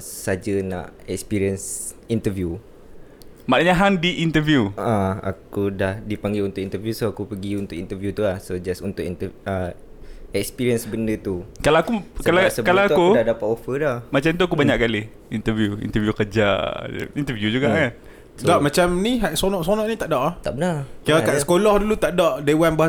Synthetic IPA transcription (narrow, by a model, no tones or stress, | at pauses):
sad͡ʒəna̰ʔɛkspiɾiəns | int̪əvju | maʔnɲaɦandiʔint̪əvjuaa̰kudahdipaŋɡɪlunt̪ʊkint̪əvjusoakupəɡiunt̪ʊkint̪əvjut̪ulahsod͡ʒasunt̪ʊʔint̪əə | ɛkspiɾiənsbəndət̪ukalaakukalasəkalaakudahdapat̪ofədɔhmat͡ʃamt̪̬uak̬ubaɲaʔ̚kalɪh | int̪əvjuḭnt̪əvjukəd͡ʒa̰int̪əvjud͡ʒuɡaʔa | sədaʔmat͡ʃamniɦaʔsonɔ̃ʔsonɔʔnit̪aʔdɔʔaht̪aʔbənarkalakaʔsə̥kolɔhdulut̪aʔdɔʔdewanbaɦa